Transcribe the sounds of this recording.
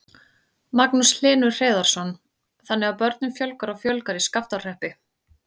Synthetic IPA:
maknusl̥ɪːnʏɾr̥eːðaɾ̥sɔn | θanːɛɣawpœɾt̪̚nʏmfjœlkaɾɔɣfjœlkaɾiskaft̪awr̥ɛhpɪ

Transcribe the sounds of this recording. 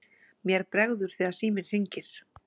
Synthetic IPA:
mjɛɾpɾɛɣðʏɾ̥θiːðasiːmɪɾ̥rɪɲcɪɾ̥

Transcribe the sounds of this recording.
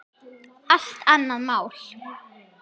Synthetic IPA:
aɬt̪anːaðmaːwl̥

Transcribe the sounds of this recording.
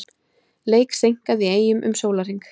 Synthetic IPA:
leːjksejŋ̥kaðieːjʏmʔʏ̰msoːwlar̥iŋk

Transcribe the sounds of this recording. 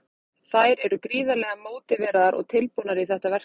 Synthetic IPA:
θajɾɛɾʏkɾiːðalɛːɣamoːwt̪ɪvɛːɾaðaɾʔɔ̰ɣt̪ʰɪlponaɾiθɛht̪avɛ̥

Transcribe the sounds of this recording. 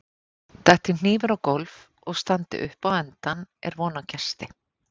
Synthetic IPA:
t̪ɛht̪ɪn̥iːvʏɾawkolv | ɔɣst̪ant̪ɪ̰ʔʏ̰hpawɛnt̪anɛ̰ɾvɔːnacʰɛst̪ɪ

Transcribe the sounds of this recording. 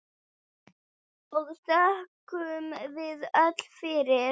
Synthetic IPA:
ɔɣst̪ahkʏmvɪðœt̪l̥fɪɾɪ

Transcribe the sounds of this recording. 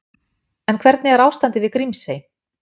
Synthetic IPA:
ɛnkʰvɛɾt̪̚nɪɣɛɾaːwst̪ant̪ɪvɪðkɾimsej

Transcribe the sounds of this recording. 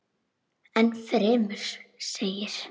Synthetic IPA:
ɛnfɾɛːmʏɾ̥seːjɪɾ̥

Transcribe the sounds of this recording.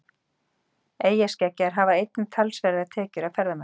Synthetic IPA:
eːjḁscɛcːaɾ̥ɦavaejt̪̚nɪt̪ʰalsvɛːɾaɾat̪ʰɛːcʏɾavfɛɾðamɛ

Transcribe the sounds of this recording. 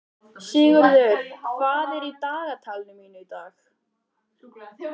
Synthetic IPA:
siːɣʏɾðʏɾ̥kʰvaːðɛɾit̪aːɣat̪ʰalnʏmiːnʏit̪aːx

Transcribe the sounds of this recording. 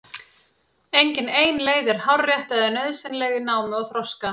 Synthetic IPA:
ejɲcɪneːjnleːjðɪɾ̥hawrːjɛht̪aðɪnœðsɪnlɛːɣɪnaːwmɪɔɣθɾɔska

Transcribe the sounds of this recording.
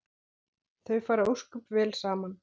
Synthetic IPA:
θœɥfaːɾaowskʏpvɛːlsaːman

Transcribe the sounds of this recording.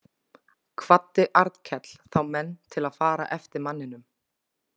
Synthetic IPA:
kʰvat̪ːɪʔaɾt̪cʰɛt̪l̥θawmɛnːt̪ʰɪlaðfaːɾa̰ʔɛft̪ɪɾmanːɪnʏm

